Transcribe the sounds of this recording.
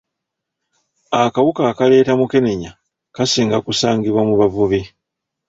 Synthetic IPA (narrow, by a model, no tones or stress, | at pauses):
akawukakale̞ːtamuke̞ne̞ɲa | kasiːŋɡakusaːŋɡiβwamuβavuβi